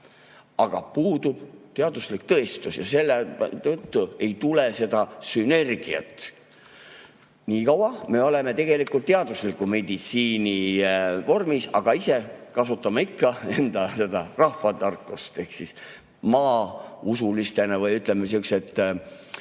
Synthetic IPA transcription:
ɑɡ̥ɑ̰puːd̪ub̥t̪eɑd̪̥uslik̚t̪ɤ̞est̪usjɑse̞lːet̪ɤt̪ːue̞jt̪ule̞se̞d̪̥ɑsyne̞rɡ̥iɑ̰t̪ːˑ | niːkɑwɑme̞o̞le̞me̞t̪e̞ɡ̥e̞likult̪t̪ːeɑd̪̥uslikːˑume̞d̪it̪siːnivo̞rmisɑ̰ɡ̥ɑise̞kɑsut̪ːˑɑmɑikːɑe̞nd̪̥ɑse̞d̪ɑrɑhfɑd̪ɑrkˑːust̪e̞hksis | mɑːusulist̪e̞nɑvɤjyt̪ˑlemes̬iukset̪ːˑ

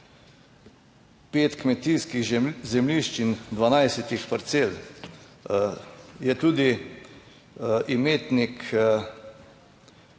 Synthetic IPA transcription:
peːt̪kmɛt̪iːskiɣzɛmliʃt͡ʃind̪ʋanajsɛt̪ixpaɾt̪seːl | jɛt̪uːd̪i | ʔimeːt̪nik

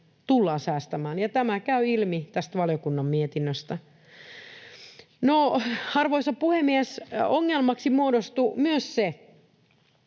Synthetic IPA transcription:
t̪ulːɑːsæːst̪æmæːnjɑt̪æmækæyilmit̪æst̪ʋɑljokunːɑmmiet̪inːøst̪æ | nohɑrʋoisɑppuhemːiesoŋːelmɑksimuodost̪umyøsse

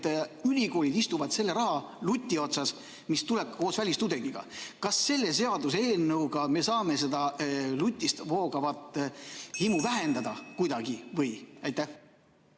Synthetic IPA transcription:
t̪ylʲiko̞ːlʲid̪̥ist̪uvɑd̪̥se̞lːe̞ɾɑɦɑ | lut̪ʲːˑio̞t̪sɑs | mist̪ule̞p̚ko̞ːsvælʲist̪ud̪e̞ŋɡ̥iɡ̥ɑ̰kɑsːe̞lːe̞s̬e̞ɑd̪us̬e̞ːnːɤwɡ̥ɑme̞sɑːme̞s̬e̞d̪ɑlut̪ʲːˑist̪vo̞ːɡɑvɑt̪ːhimuvæɦe̞nd̪ɑd̪̥ɑkujd̪ɑɡivɤjɑjt̪ˑːæ

